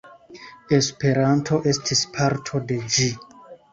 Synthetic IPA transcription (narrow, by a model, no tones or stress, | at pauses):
e̞spe̞ɾantʰo̞ʔe̞stʰispʰaɾtʰo̞de̞d͡ʒi